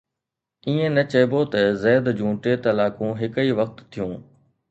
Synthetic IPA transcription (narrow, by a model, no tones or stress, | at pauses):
iːẽnɐt͡ɕɐːɪbot̪ɐzɛːd̪d͡ʑũːʈeːt̪ɐlaːkũɦɪkəiʋɐxt̪ːʰijũː